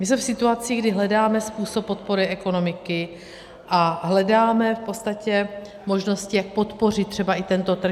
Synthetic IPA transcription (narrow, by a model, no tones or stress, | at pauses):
mɪsmɛfsɪt̪uat͡siɡdɪɦlɛdaːmɛspuːso̞pːot̪̚po̞ɾɪʔɛko̞no̞mɪkɪ | ʔaɦlɛdaːmɛfpo̞t̪st̪acɛ | mo̞ʒno̞scɪjak̚po̞t̪po̞r̝ɪt̪t̪ːr̥ɛbaɪt̪ɛnt̪o̞t̪r̩